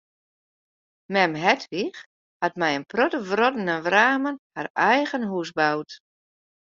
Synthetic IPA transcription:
mɛmɦɛtʰʋix | hatmɛjənprotəʋrɔdənəʋraːmənharɛjɣənɦusbawt

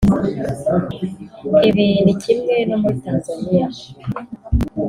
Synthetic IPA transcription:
iβinucʰimŋe̞no̞muɾitaːnzanija

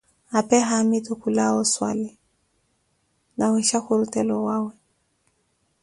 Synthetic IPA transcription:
apɛɦamɪtʊkulaɔswa̰lɪ | nawɛʃaxʊɾʊtɛlɔwaːwɛ

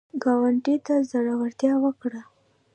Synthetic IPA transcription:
ɡɑwaɳʈit̪azaɽaɣaɽt̪jɑwəkɽa

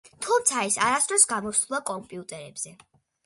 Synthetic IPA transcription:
t̪ʰumt̪sʰaɛsaɾasd̪ɾɔsɡamɔst̪ulˠakʼɔmpʼiut̪ʼɛɾɛbz̥ɛ

